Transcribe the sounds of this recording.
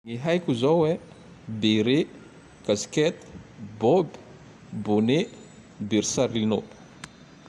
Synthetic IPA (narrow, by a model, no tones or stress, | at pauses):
ŋiɦajkʲuzowwe | beɾe | kaskɛt̪bobi̥ | bone | biɾsaɾlino